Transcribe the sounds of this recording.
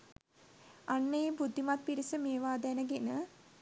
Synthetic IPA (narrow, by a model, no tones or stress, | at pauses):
anːəjebud̪ʱːimat̪̚piɾisəmeːʋaːd̪ænəɡenə